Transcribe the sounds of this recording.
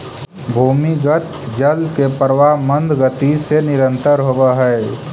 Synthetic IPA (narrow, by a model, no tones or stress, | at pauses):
bʱuːmiɡət̪ | d͡ʒəlkepəɾʋamə̃nd̪ʱɡət̪isenɪɾə̃nt̪əɾɦowaɦɛː